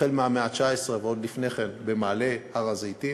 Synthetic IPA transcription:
elmeameat͡ʃaesʁeveod̪lifne̞χenbe̞maːle̞aʁazit̪i

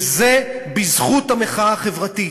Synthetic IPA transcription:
zebizχut̪ameχaaχe̞vʁat̪i

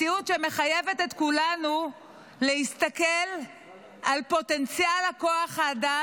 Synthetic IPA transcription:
ijutʃeme̞χajevetet̪kulanu | lehist̪akel | alpo̞tent͡sjalhakoaχhaːda

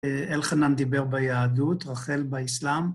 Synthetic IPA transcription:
elχanamd̪ibeʁbajaːd̪ut̪ʁaχelbaislam

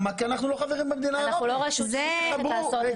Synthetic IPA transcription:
makianaχnulo̞χaveʁimbemed̪inanauloʁoiʃzebaso

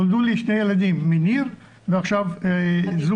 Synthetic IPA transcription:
old̪uliʃnejelad̪imːiniʁ | veaχʃav | zu

